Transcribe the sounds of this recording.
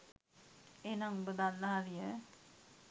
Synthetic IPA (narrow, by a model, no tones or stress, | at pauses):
enaŋbəd̪anːəɦaɾijə